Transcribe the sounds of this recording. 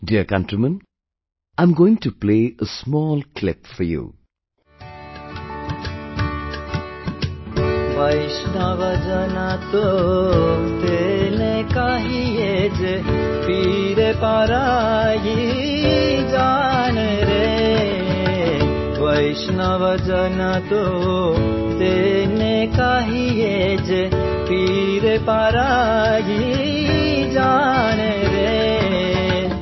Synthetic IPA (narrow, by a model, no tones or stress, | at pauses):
ɖiəkãnʈɾimə̃n | ãɪ̃mɡoːɪ̃ŋʈupleːəsmɔːlklɪpfɔɾjṵː | ʋɐjʃnaʋəd͡ʒənat̪o | t̪enekaɦijed͡ʒe | pʰi | ɾepaɾaji | d͡ʒaneɾe | ʋəjʃnaʋəd͡ʒənat̪o | t̪enekaɦijed͡ʒe | pi | ɾepaːɾaji | d͡ʒaneɾe